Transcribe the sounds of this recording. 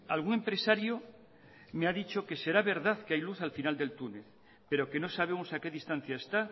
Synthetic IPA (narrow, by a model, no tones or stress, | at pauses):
alɣ̞uŋe̞mpɾe̞saɾjo | meaðit͡ʃo̞ke̞se̞ɾaβ̞e̞ɾðaθkeajluθalfinald̪e̞lt̪une̞θ | pe̞ɾo̞ke̞no̞saβ̞e̞mosake̞ðist̪an̟θjaest̪a